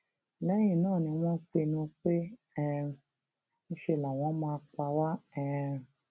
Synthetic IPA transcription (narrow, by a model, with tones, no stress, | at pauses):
lɛ˨˦j̃ĩ˦˨nãː˦˨nĩ˧w̃ɔ̃˦k͡pe˧nũ˦k͡pe˦ | ɛ˦˧ | nũ˧˦ʃe˧˨la˨w̃ɔ̃˨˦mãː˧k͡pa˧wa˦ɛ˦˧